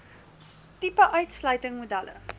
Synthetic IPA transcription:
tipəʔœɥtslœɥtəŋmudælə̰

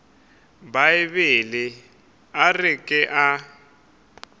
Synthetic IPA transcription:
baɪβɪlɪ | arɪkʼɪʔa

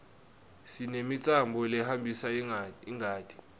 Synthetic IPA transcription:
sinemit͡sʼambʱɔlɛhambʱisaiŋaːtʰʼi̥

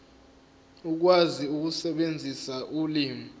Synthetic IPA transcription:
uk̬waziuk̬usɛɓend͡zʱisaʔuliːmi

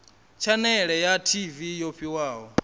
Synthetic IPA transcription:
t͡ʃʰanɛɺɛjatʰivijoɸʰiwaːɦɔ

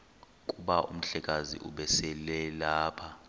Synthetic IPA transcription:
kʼuɓaʔṵm̩ɬɛk̬ʼazḭʔuɓɛsɛlɛlaːpʰa

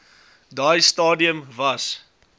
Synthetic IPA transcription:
dajstɑːdiəmvɐs

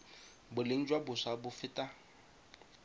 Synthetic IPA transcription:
bʊleŋ̩d͡ʒwabʊsabʊfɪtʼa

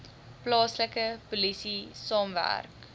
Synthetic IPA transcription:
plɑːsləkəpulisisɑːmvæ̰rk

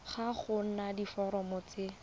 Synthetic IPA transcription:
χaχʊnadifɔɾɔmʊːt͡sɪ

